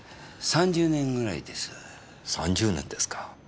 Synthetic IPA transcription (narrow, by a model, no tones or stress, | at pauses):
sãɲ̟d͡ʑɨːnẽ̞ŋɡɯ̟ɾa̰ḭd̪e̞sɨ̥ | sãɲd͡ʑɨːnẽnd̪esɨ̥kḁ